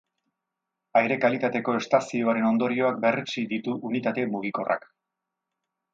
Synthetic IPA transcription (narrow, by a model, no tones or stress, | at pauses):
ajɾe̞kalit̪at̪e̞ko̞e̞st̪asioaɾe̞no̞nd̪o̞ɾio̞ak̚be̞ret͡ʃid̪it̪uʔunit̪at̪e̞muɣ̞iko̞rʔa̰k